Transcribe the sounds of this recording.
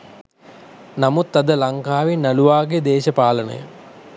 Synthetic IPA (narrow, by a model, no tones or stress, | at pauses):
namut̪ːɐd̪əlaŋkaːʋinːaluʋaːɡed̪eːʃəpaːlənə̰jə̰